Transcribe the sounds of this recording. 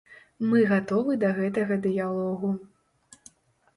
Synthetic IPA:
mɨɣat̪ɔvɨd̪ɐɣɛt̪̬ɐɣɐd̪ɨjalˠɔɣu

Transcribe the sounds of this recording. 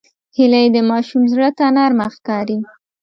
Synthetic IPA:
hɪlajd̪əmɑʃumzɽət̪anaɾmaxkɑɾi

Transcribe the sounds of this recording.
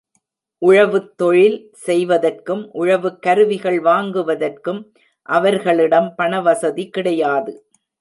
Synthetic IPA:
ʔʊɻɐʋɯt̪ːɔɻɪl | sɛjʋɐðɐrkɯmʔʊɻɐʋɯkːɐɾɯʋɪɣɐɭʋaːŋɡɯʋɐðɐrkɯm | ʔɐʋɐɾɣɐɭɪɽɐmpɐɳɐʋɐsɐðikɪɽɐjaːðɯ

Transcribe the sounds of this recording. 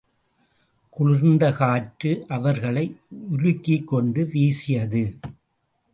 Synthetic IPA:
kʊɻɪɾnd̪ɐɣaːʈɾɯʔɐʋɐɾɣɐɭɐɪʊlʊkːɪkːɔɳɖɯʋiːsɪjɐðɯ

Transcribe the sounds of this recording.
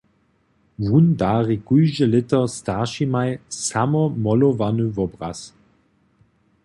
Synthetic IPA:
vundaːʁikujʒəlɪtɐstaʁʃimajsamɔmɔlɔvanyvɔbʁa̰s

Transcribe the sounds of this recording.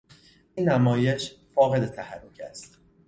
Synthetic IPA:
ʔinːæmɒːje̞ʃfɒːɣe̞d̪et̪ʰæhærːucʰæ̰st̪

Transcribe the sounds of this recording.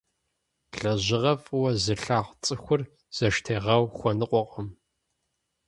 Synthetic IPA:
ɬɐʑɪʁɐfʼwɐzɨɬaːʁʷt͡sʼɨxʷʊr | z̥ɐʃtʰeːʁɐwxʷɔnɨqʷʼɔqʼɐm

